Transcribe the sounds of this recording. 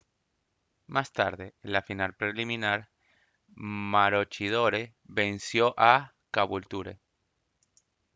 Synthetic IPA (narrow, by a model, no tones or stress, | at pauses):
mast̪aɾðelafinalpɾelimĩnaɾ | maɾot͡ʃiðoɾe | βe̞nsjo̞ʔa | kaβult̪uɾḛ